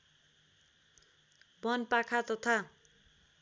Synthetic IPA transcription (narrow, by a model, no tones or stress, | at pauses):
bʌnpakʰat̪ʌt̪ʰa